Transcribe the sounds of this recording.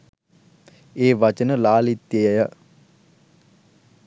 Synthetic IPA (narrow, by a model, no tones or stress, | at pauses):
eːʋat͡ʃənəlaːlit̪ːjejəjə